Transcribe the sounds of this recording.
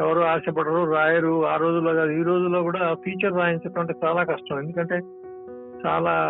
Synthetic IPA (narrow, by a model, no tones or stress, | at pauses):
ɛʋɐɾuaːsɐpɐɽɐɾuːɾaːjɐɾuaːɾo̞ːd͡ʒulːaːɡaːd̪uiːɾo̞ːd͡ʒulːo̞ːkuːɽaːpʰiːt͡ʃɐɾːaːjiɲt͡ʃɐʈɐɳʈeːt͡ʃaːlaːkɐʂʈɐme̞nd̪ukɐɳʈe̞ː | t͡ʃa̰ːlaː